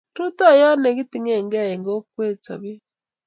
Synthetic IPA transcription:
tu˦to˦jɔ˦ne˨ɣi˦ti˨ŋe˦˨ŋɡa˦e˨ŋɡo˦kwe˦t͡sa̰βi˦

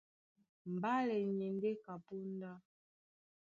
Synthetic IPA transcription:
m̩˨ba˦lɛ˨ɲɛ˨ŋ˦ɡe˦ka˨pu˦n˦da˦

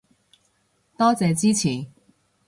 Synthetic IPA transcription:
t̪ɔː˥t͡sɛː˨˧t͡siː˥t͡sʰiː˨˩

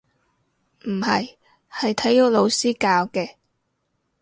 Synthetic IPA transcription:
m̩˨˩hɐ˨j | hɐ˨jt̪ʰɐ˨˥jjʊ˨˥lo˨˧wsiː˥kaː˧wkɛː˧

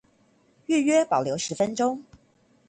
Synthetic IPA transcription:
y˥˨ɥɛ˥pɑ˨˩ljo˧˥ʊʂɻ̩˧˥fə˦nʈ͡ʂʊ˥ŋ

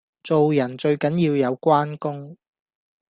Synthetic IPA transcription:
t͡so˨wjɐ˨˩nt͡ʃɵ˧ɥkɐ˨˥njiː˧wjɐ˨˧wkʷaː˥nkʊ˥ŋ

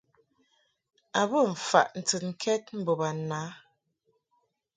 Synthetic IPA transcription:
a˨bə˦˨ɱ̩˨fa̰˨ʔn̩˨tɨ˨nŋ˨kʰɛ˦t̚m̩˦bo˨ba˨na˨˦

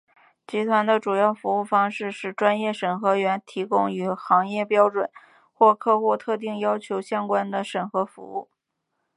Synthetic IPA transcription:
t͡ɕi˧˥t̪ʰwa˧˥nd̪ə˧ʈ͡ʂu˨˩jɑ˥˩ʊfu˧˥u˥˩fɑ˥ŋʂɻ̩˥˧ʂɻ̩˥˩ʈ͡ʂwa˥njɛ˥˩ʂə˨˩nxɤ˧˥ɥɛ˧˥nt̪ʰi˧˥kʊ˥ŋy˨˩xɑ˧˥ŋjɛ˥˩pjɑ˥ʊʈ͡ʂwə˨˩˦n | xwɔ˥˧kʰɤ˥˧xu˥˧t̪ʰɤ˥˧t̪̬i˥˩ŋjɑ˥ʊt͡ɕʰjo˧˥ʊɕjɑ˥ŋkwa˥nd̪ə˨ʂə˨˩nxɤ˧˥fṵ˧˥ṵ˥˩

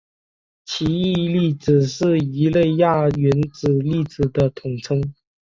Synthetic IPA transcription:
t͡ɕʰi˧˥i˥˧li˥˩t͡sɹ̩˨˩ʂɻ̩˥˩i˧˥le˥˧ɪja˥˩ɥɛ˧˥nt͡sɹ̩˨˩li˥˩t͡sɹ̩˨˩d̪ə˦t̪ʰʊ˨˩ŋt͡sʰɤ˥ŋ

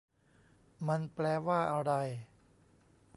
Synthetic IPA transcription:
ma˧nplɛː˧waː˥˩ʔa˧wɾa˧j

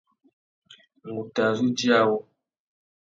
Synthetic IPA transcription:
ŋ˨ɡu˨ta˨zu˦d͡ʒi˦a˦˨wɔ˦

